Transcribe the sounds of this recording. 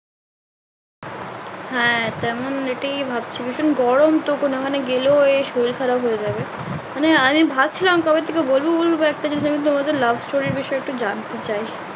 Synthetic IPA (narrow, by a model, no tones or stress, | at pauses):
hɛ̃t̪ɛmoneʈiibʱab̚t͡ɕʰebiʃonɡɔɽomt̪okonokʰaneɡeloeʃojlkʰaɾabɦoed͡ʑabe | maneamibʱad̚t͡ɕʰilamkɔbet̪ʰːekebolbobolboɛk̚ʈad͡ʑeniʃamit̪omad̪eɾlabʱsʈoɾiɾbiʃɔeek̚ʈud͡ʑant̪et͡ɕaj